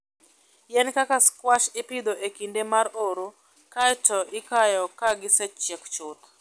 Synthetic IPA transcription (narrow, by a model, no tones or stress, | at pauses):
jɛnkakaskwaʃɪpɪd̪oʔekindemaɾoɾo | katɔʔɪkajɔkaɡɪsɛt͡ʃɛkt͡ʃʊt̪